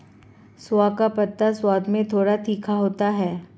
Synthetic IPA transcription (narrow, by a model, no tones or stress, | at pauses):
swakapɐt̪ːaswaːd̪mẽt̪ʰoːɽat̪ʰiːkʰaɦoːt̪aɦɛː